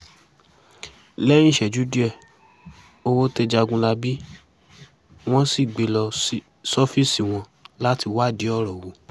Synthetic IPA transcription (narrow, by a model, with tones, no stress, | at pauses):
lɛ˦nĩ˦˨ʃɛ˨d͡ʒu˨˦di˦ɛ˦˨ | o˧wo˦te˧d͡ʒa˧ɡũ˧la˧bi˦ | w̃ɔ̃˦si˦˨ɡ͡be˨˦lɔ˧i˦ | sɔ˦fi˦˨si˨w̃ɔ̃˧ | la˦ti˧wa˦˨di˨˦ɔ˦˨ɾɔ˨wo˨˦